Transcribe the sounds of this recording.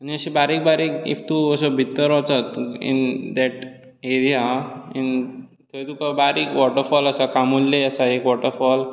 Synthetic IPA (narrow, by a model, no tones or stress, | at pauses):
aniəɕibaɾik̚baɾikḭft̪uːəsɔbʱit̪ːəɾʋat͡sat̪ḭnd̪ɛʈ | eɾijain | t̪ʰejt̪ukabaɾikʋɔʈəɾfɔləsakamullːeəsaekʋɔʈəɾfɔl